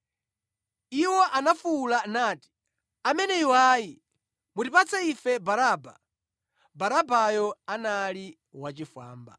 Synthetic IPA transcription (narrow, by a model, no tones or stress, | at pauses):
iwɔʔanafuːlanaːti̥ | amɛnɛiwaːji | mutipat͡sʰaifɛbaɾaːba̰ | baɾabajɔanali | wat͡ʃifa̰ːmba̰